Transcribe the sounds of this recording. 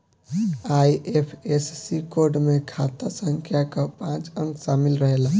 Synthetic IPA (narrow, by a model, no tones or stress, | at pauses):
aːiʔepʰessikoːɾɖmẽkʰaːt̪asə̃ŋkʰjakapãːt͡ʃə̃ŋɡsaːmɪlɾəɦela